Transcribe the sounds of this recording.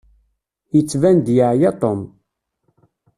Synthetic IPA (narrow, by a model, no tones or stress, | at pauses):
jət͡sːvænd̪jəʕjat̪ˤom